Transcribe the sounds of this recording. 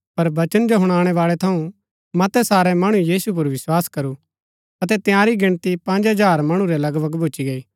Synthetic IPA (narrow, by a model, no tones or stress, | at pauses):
pɐɾbɐt͡ʃənd͡ʒoɦʊɽ̃aːɽ̃ɛʋaːɭɛt̪ʰɐũ | mɐt̪ɛsaːɾɛmɐɽ̃ũjiːsup̬ʊɾʋɪswaːskɐɾu | ɐt̪ɛt̪ɪjaːɾiɡɪɽ̃t̪ipɐ̃nd͡ʒɦɐd͡ʒaːɾmɐɽ̃ũɾɛlɐɡbəɡbʱʊːt͡ʃiɡɐiː